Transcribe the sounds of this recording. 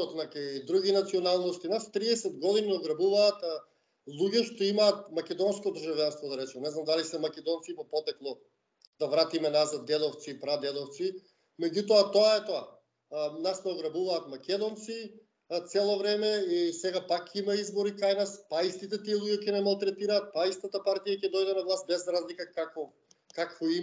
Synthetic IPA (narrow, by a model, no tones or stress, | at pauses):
ɔt̪nakajd̪ɾuɡʲinat̪siɔnalˠnost̪inast̪ɾiɛsɛd̪ɡɔd̪ininɔɡɾabuvaːt̪ | lˠuɟɛʃt̪oimaːt̪̚makʲɛd̪ɔnskɔd̪ɾʒavjanst̪vɔd̪aɾɛt͡ʃɛnɛznamd̪alisɛmakɛd̪ɔnt̪sipapɔt̪ɛklˠɔ | d̪avɾat̪imɛnazad̪̚ːɛd̪ɔft̪siːpɾad̪ɛd̪ɔft̪si | mɛɟut̪ɔat̪oaɛt̪oa | nasnɛɔɡɾabuvaːt̪makʲɛd̪ɔnt̪si | t̪sɛlˠovɾɛmɛisɛɡapakːimaizbɔɾikajnaspaist̪it̪ɛt̪iɛlˠuɟɛcɛnɛmalˠt̪ɾɛt̪iɾaːt̪̚paist̪at̪apaɾt̪ijacɛd̪ɔjd̪ɛnavlˠast̪̚bɛzɾazlikakakɔ | kakvɔi